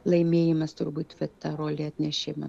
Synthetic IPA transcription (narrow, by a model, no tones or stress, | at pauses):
lˠɐɪmʲeːjɪmɐst̪ʊɾbuːt̪ʋʲɛt̪ɐɾoːlʲiɐt̪ʲnʲɛʃʲɪmɐ